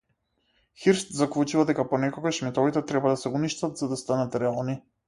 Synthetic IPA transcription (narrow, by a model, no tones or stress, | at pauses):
xiɾst̪zakvˠut͡ʃuvad̪ɛkapɔnɛkɔɡaʃmɛt̪ɔvit̪ɛt̪ɾɛbad̪asɛuniʃt̪at̪zad̪ast̪anat̪ɾɛalˠni